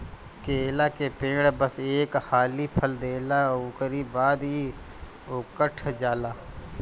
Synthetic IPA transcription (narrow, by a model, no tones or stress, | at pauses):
keːlakepẽːɽbəseːkhaːlipʰəld̪eːlaukəɾibaːd̪i | ʊkəʈʰd͡ʒaːlaː